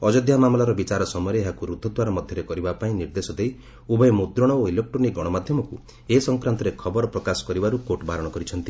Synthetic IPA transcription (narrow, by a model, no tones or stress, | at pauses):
ɔd͡ʒɔd̪ʱjamamlaɾɔbit͡ʃaɾɔsɔmɔjeɦakuɾud̪ʱːɔd̪waɾɔmɔd̪ʱjɔɾekɔɾibapaĩniɾd̪esɔd̪ej | ubʱɔemud̪ɾɔɽ̃ɔoelek̚ʈɾɔñik̚ɡɔɽ̃ɔmad̪ʱjɔmɔku | esɔŋkɾant̪ɔɾekʰɔbɔɾɔpɾɔkasɔ̥kɔɾibaɾukoʈbaɾɔɽ̃ɔkɔɾit͡ʃʰɔnt̪i